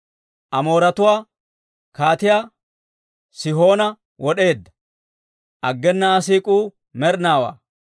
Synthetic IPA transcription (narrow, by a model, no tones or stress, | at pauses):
ʔɐmo̞ːɾɐt̪ʊwaː | kaːt̪ɪjaː | sɪɦo̞ːnɐ | wɔɗe̞ːd̪ːɐ̥ | ʔɐɡːɛnːɐːsiːkʼuː | mɛɾnaːwa̰ː